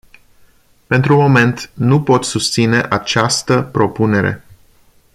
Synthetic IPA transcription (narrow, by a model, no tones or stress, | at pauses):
pe̞nt̪ɾumo̞me̞nt̪nupo̞t̪sust̪sine̞ʔat͡ʃast̪əpɾo̞pune̞ɾe̞̰